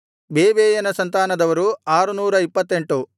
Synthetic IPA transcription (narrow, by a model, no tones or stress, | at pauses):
beːʋeːjɐnɐsɐnt̪aːnɐd̪ɐʋɐɾuaːɾunuːɾɐipːɐt̪ːe̞ɳʈu